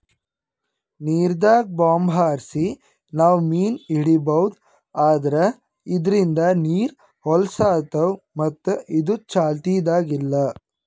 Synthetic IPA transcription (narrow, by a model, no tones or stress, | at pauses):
niːɾd̪aːɡ̚baːmbʱaːɾsi | naːʋmiːniɽibɐwd̪ | aːd̪ɐɾe | id̪ɾind̪ɐniːɾ | hɔlsaːt̪ɐw | mɐt̪ːuʔid̪ut͡ʃaːlt̪ijd̪aːɡilːɐ